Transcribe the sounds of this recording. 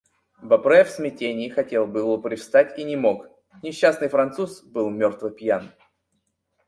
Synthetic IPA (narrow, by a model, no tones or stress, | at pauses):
bɐpɾɛfsmʲɪtʲenʲɪɪxɐtʲelˠbɨlˠopɾʲɪfst̪atʲinʲɪmo̞k | nʲɪɕːasnɨjfɾɐnt̪susbɨlˠmʲort̪vɨpʲjan